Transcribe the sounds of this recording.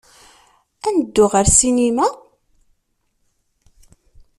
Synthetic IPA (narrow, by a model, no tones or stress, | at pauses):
ænəd̪ːʊʁəɾsinima